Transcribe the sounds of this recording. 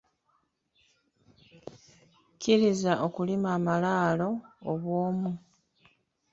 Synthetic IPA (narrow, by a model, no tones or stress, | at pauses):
ciɾizaʔo̞kulimaːmalaːlo̞ːβwoːmu